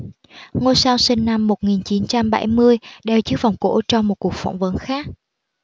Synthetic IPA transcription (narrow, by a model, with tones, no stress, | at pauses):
ŋo˧jsaː˧wsï˧ŋna˧mːo˨˩t̚ŋi˨˩nt͡ɕi˨˦nt͡ɕa˧mɓa˧˩jmɨ˧əjɗe˨˩wt͡ɕɨ˦˥k̚va˨˩wŋ͡mko̰˧˥t͡ɕɔ˧wŋ͡mmo˨˩t̚ku˨˩ək̚fa̰˧˩wŋ͡mvə˨˦nxaː˦˥k̚